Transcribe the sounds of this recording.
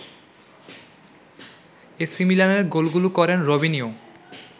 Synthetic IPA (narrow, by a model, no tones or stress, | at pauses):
esimilaneɾɡolɡulukɔɾenɾobʱinio